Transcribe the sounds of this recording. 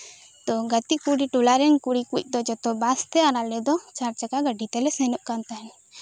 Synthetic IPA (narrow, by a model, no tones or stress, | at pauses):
t̪ɔɡət̪ikuɽiʈulaɾɛnkuɽikuc̚ˀd̪ɔd͡ʒɔt̪ɔbast̪ɛaɾalɛd̪ɔt͡ʃaɾt͡ʃakaɡəɖit̪ɛlɛsɛnuʔkant̪aɦɛ